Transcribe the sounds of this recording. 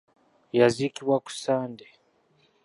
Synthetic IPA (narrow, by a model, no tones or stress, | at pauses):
jazikiβwaku̥saːnde